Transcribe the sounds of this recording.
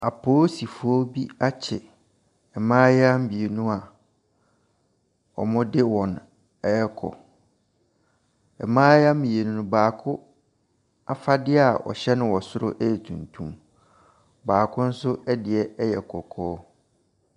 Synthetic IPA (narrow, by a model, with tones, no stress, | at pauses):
a˨pʰoː˦si˨fʊ˦ɔ˦bi˦a˦t͡ɕʰɪ˨ | ɛ˨mãː˦jɛ˦a˦m̩˦bi˨e˨nũ˦a˨ | ɔ˨mʊ̃˦dɪ˦wɔ̃˨n | ɛ˦ɛ˦kʰɔ̰˨ | ɛ˨mãː˦ja˦m̩˦ĩ˨e˨nũ˦nʊ̃˦baː˨kʰʊ˦ | a˦fa˦dɪ˦a˨ɔ̰˨ɕɛ˦nɪ̃˨wɔ˨sʊ˦ɾʊ̰˦ʔɛ˦ɛ˨tʰṵ̃˨ntʰũ˦m | baː˨kʰʊ̃˦n̩˦sʊ˦ɛ˦dɪ˨ɛ˦ɛ˦jɛ˨kʰɔ˨kʰɔː˦